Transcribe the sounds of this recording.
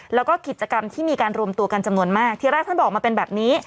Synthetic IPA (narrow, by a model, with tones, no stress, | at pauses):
lɛː˦˥wkɔː˥˩ki˨˩t͡ɕa˧ka˧mt̪ʰiː˥˩miː˧kaː˧nɾu˧əmt̪u˧əka˧nt͡ɕa˧mnu˧ənmaː˥˩k̚t̪ʰi˧ɾɛː˥˩t̪ʰbɔː˨˩k̚maː˧pe˧nbɛː˨˩p̚niː˦˥